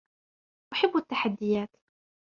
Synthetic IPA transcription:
ʔaħɪbːat̪ːaħad̪ːɪjaːt̪

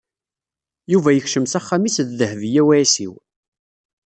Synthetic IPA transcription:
juvæjəçʃəmsæχːamisððəhəvjæwʕisḭw

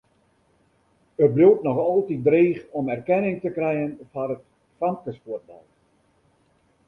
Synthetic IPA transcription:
əbrultnɔxɔlˠtidreːxɔmɛrkɛnɪŋtəkrɛjənfarət | faŋkəspuət̚ba̰l

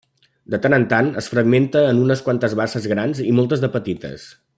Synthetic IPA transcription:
d̪ət̪anənt̪anəsfɾəɡment̪əːnunəskwant̪əzβasəzɣɾanzimɔlˠt̪əzðəpət̪it̪ə̰s

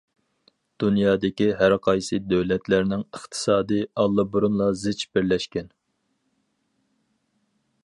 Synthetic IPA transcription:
d̪̥unjɑːd̪ɪkʲiɦæɾqʰɑjsɨd̪øwlɛt̪læɾnɪŋəχt̪ʰɨ̥sɑːd̪ɨɑlˠːɨbuɾunlˠɑzɪt͡ʃb̥ɪɾlɛʃkʲɛn

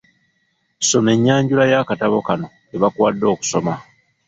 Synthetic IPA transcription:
so̞me̞ɲːaːɲɟulajaːkataβo̞kano̞ | eβakwaːdːo̞ːku̥so̞ma

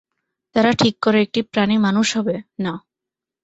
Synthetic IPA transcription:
t̪aɾaʈʰikːoɾeek̚ʈipɾanimanuʃɦɔbena

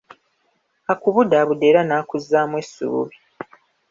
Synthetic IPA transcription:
akuβudaβude̞ːɾanaːkuzːaːmwesːṵṵβi

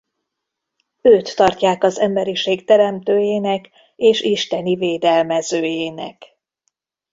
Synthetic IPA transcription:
øːt̪ːɒrcaːkɒzɛmbɛɾiʃeːkt̪ɛɾɛmt̪øːjeːnɛk | eːʃiʃt̪ɛniveːd̪ɛlmɛzøːjeːnɛ̰k

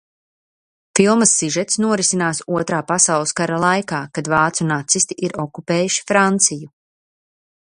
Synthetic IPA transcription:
filˠmɐsːiʒɛt̪snuɔɾisinaːsuɔt̪ɾaːpasawlˠskaɾalˠajkaːkad̪vaːt̪sunːat̪sist̪iʔiɾɔkupeːjuʃi̥fɾant̪siju

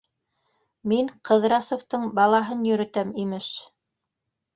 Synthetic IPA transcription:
miŋqʰɤ̆ðɾɑsŏft̪ɤɴbɑlˠɑɦɤnjɵ̆ɾɵ̆t̪æmimɘʃ

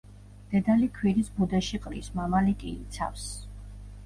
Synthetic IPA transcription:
d̪̥ɛd̪alikʰwiɾisbud̪aʃiqʼɾḭsmamalikʼiːt̪sʰa̰fs

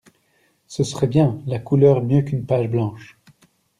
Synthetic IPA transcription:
səsəʁɛbjɛ̃lakulœːʁmjøkynpaʒblɑ̃ːʃ

